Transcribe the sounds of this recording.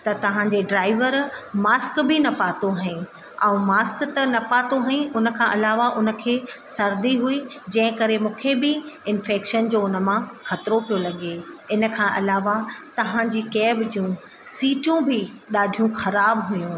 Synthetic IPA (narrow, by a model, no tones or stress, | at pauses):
t̪ɐt̪ɐʋ̤ãd͡ʑeɖɾaːɪʋəɾmaːskbɪnɐpaːt̪oɦɐĩ | ɛ̃ũmaːskt̪ɐnɐpaːt̪oɦɐĩʔʊnə̆kʰãʔɐlaːʋaʔʊnə̆kʰeːsɐɾd̪iɦui | d͡ʑɐ̃ɦɪ̃kɐɾemũːkʰebɪɪnfeːkʃənd͡ʑoːʊnə̆mãxɐt̪ɪɾopijolɐɠeɪnə̆kʰãːʔɐlaːʋat̪ɐʋ̤ãd͡ʑiːkɛːbd͡ʑjũ | siːʈjũbɪ | ɗaːɖʱijũxɐɾaːbɦʊjũ